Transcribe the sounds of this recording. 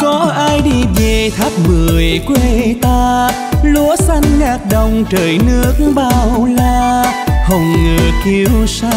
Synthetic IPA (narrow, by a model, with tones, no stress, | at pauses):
kɔ˨˦ʔaː˧jɗi˧ve˨˩t̪ʰa˦˥k̚mɨ˨˩əəjkwe˧t̪aː˧ | lu˨˦əsa˧jŋ̟ŋaː˨˧˩k̚ɗə˨˩wŋ͡mt͡ɕəː˨˩jnɨ˦˥ək̚ɓaː˧wlaː˧hə˨˩wŋ͡mŋəː˨˩ki˧wsa˧